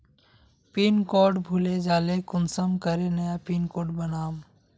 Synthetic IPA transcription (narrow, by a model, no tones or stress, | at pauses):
piːnkɔːɖbʱuːled͡ʒaːlekʊnsəmkəɾenɐjapiːnkoːɖbənaːm